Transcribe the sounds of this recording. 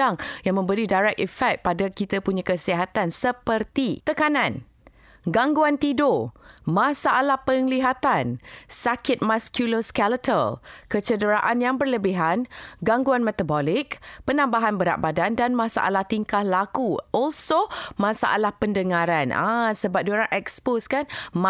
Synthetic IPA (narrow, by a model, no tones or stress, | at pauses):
aŋjaŋmə̃mbəɾidaɾɛk̚ifɛk̚t̪̚padakit̪əpuɲãkəsiɦat̪ansəpərt̪it̪əkanãn | ɡaŋɡuant̪idomãsaʔalahpəŋliɦat̪ansakɪt̪̚maskjuloskɛlət̪ʰəlkət͡ʃədəɾaʔanjaŋbərləbiɦanɡaŋɡuanmɛt̪abɔlɪkpənãmbaɦanbəɾa̰ʔ̚badandanmãsa̰ʔa̰laht̪iŋkahlakuʔɔlsomãsa̰ʔa̰lahpəndəŋãɾanʔa̰səbap̚doɾaʔɛksposkanm